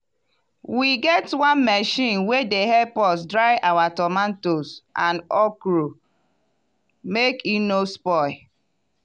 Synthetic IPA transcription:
wiɡɛtwɔ̃nmɛʃĩnwedeɦɛpɔsdɹaɪʔawatɔmãntosʔãnɔkɾo | mekinospɔɪ

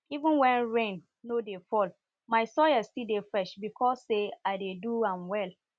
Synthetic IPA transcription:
ivũnwɛ̃nɹẽnː | odefɔl | maɪsɔjastidefɹɛʃbikʰɔsːeaɪdeduãmwɛl

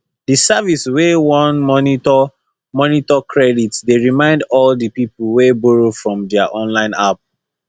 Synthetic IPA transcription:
disaviswewɔ̃nmɔniɔ | mɔnitɔkʰɹɛditsdeɹimãɪ̃ndɔldəpiplwebɔɹofɹɔ̃mdɛaʔɔ̃nlãɪ̃nap̚

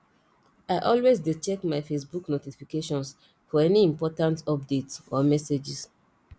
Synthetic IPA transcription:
aɪʔɔlwezdidt͡ʃɛkmaɪfesbuknotifikeʃɔ̃ns | fɔɛniĩmpɔtãntɔp̚detsɔmɛsed͡ʒis

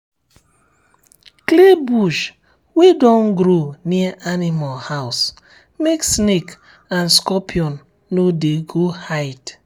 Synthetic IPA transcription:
klebuʃ | wedɔ̃nɡɾoniaʔanimalhaʊs | meksnek | anskɔpʰiɔnː | odeɡohaɪt

